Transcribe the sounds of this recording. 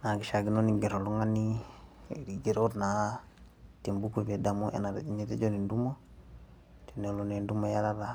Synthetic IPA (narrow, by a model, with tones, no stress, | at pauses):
na˨ɡi˨ʃa˨ɡi˦no˦ni˨ɡe˨ɾo˨lu˦ŋa˦ni˦ | ɾiɡe˨ɾoɾna˨ | ti˨mbu˦kube˨da˨mu˦ʔa̰na˨ɾi˦ɲi˦te˦d͡ʒo˦ni˨ndu˦mo˦ | te˨ne˨lone˨ndu˦mo˨ja˦la˦ɾa˨